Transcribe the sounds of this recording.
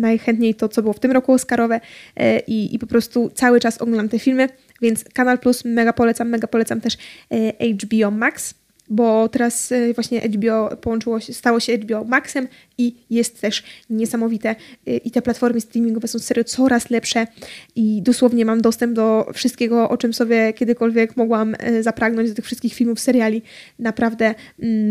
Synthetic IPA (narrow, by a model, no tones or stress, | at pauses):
najxɛnt̪ɲejt̪ɔt̪sɔbɘwɔft̪ɘmɾɔkuɔskaɾɔvɛʔiḭpɔpɾɔst̪ut̪sawɘt͡ʂasɔ̰ɡlnamt̪ɛfʲilmɘ | vʲjɛnt̪skanalplusmɛɡapɔlɛt̪samːɛɡapɔlɛt̪samt̪ɛʂʔɛjd͡ʐbʲiɔmaks | bɔt̪ɛɾasvwaɕɲɛʔɛ̰jbʲiɔpɔwɔnt͡ʂɘwɔɕɛst̪awɔɕɛɛjd͡ʒbʲiɔmaksɛm | ijɛst̪ːɛʂɲɛsamɔvʲit̪ɛʔit̪ɛplat̪fɔɾmɘst̪ɾʲimʲiŋɡɔvɛsɔ̃w̃sɛɾʲjut̪sɔɾaslɛpʂɛid̪ɔswɔvɲɛmamd̪ɔst̪ɛmb̚d̪ɔfʂɨ̥st̪kʲeɛɡɔʔɔt͡ʂɘmsɔbʲjɛkʲɛd̪ɘkɔlvʲjɛkmɔɡwamzapɾʔaɡnɔɲd͡ʑd̪t̪ɘ̥fʂɘst̪kʲixfilmufsɛɾjalʲinapɾavd̪ɛ